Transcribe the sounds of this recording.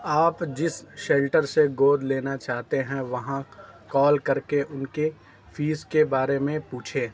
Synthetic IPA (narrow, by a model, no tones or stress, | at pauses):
aːpd͡ʒɪsʃeːlʈəɾseɡoːd̪leːnat͡ʃaːɦt̪eɦɛ̃ʋɐɦãkɔːlkɐɾkeʔʊnke | fiːskebaːɾemẽpuːt͡ʃʰeː